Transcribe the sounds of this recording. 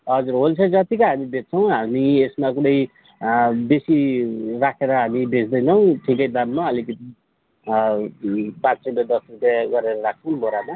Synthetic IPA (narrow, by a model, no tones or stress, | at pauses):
ɦʌd͡zurɦolt͡sʰʌd͡zʌt̪ikaɦamibet̪̚t͡sʰʌw̃ɦamiesmakuɽʌj | besirakʰeɾʌɦamibed͡zd̪ʌjnʰʌw̃ʈʰikʌjd̪ʌnmaʌlikʌt̪i | patsʌled̪ʌsrupjaɡʌɾeɾʌrak̚ʰt͡sʰʌw̃boɾama